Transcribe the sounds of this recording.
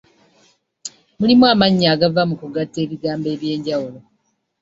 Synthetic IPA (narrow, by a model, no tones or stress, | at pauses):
mulimwamaɲːaːɡavamukuɡatːe̞ːβiɡaːmbe̞ːβje̞ːɲɟawulo̞